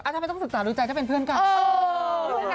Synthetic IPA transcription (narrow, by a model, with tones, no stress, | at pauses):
ʔa˧t͡ɕa˧˥˧jt̪ɔ˥˩ŋsɯ˩ksaː˩˦ɾuː˧t͡ɕa˧j̪ʰa˥˩e˧npʰɯ˥˩ənkaː˧˩˧